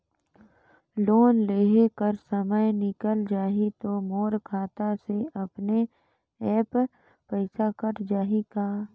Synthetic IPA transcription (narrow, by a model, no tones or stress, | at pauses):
loːnleːɦekəɾsəməjnɪkəld͡ʒaːɦit̪omoːɾkʰaːt̪aseʔɐpne | ɛːp | pəɪsakəɾd͡ʒaːɦikaː